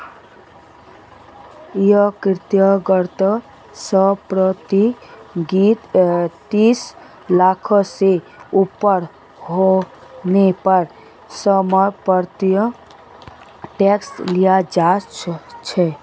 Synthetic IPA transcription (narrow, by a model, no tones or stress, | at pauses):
jəkɾt̪jəɡəɾt̪ə | səpɾət̪iɡit̪t̪iːs | laːkʰse | upːəɾ | ɦo | nepəɾ | səməpəɾt̪jə | ʈeːkslijad͡ʒaːt͡ʃʰɛ